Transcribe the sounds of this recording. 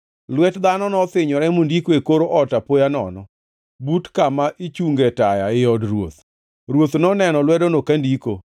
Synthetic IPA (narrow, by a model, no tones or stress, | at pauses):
lwɛtd̪anɔnɔt̪ɪɲɔɾɛmundikoekoɾoʔɔtapojanɔ̰nɔ | butkamaʔit͡ʃuŋɡɛtajaɪɔdrwo̰t̪ | ɾwot̪nɔnɛnɔlwɛdonokandiko̰